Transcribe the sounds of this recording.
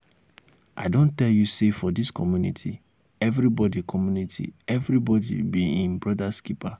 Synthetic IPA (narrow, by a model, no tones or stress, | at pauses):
ʔa̰ɪdõntɛljusefɔdiskʰɔmjunḭtʰḭ | ɛvɾibɔdikʰɔmjunitʰḭɛvɾibɔdḭbiĩnbɹɔdaskipa